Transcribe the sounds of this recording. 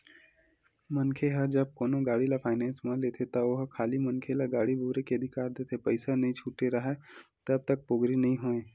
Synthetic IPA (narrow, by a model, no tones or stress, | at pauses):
mənkʰeɦɐd͡ʒɐb̚koːnõɡaːɽilapʰaːɪnɛ̃ːnsmãleːt̪ʰet̪ɐoɦkʰaːlimənkʰelaɡaːɽibʱuːɾekeəd̪ʱɪkaːɾd̪eːt̪ʰepɐɪsanɐɦĩt͡ʃʰuːʈeɾɐɦɛt̪ɐb̚t̪ɐk̚poɡɾinɐɦĩɦoːẽː